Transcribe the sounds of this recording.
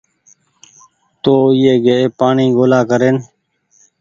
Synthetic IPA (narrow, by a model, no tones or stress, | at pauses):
t̪oːɪjeːɡeeːpaːɳiːɡoːlaːkəɾeːn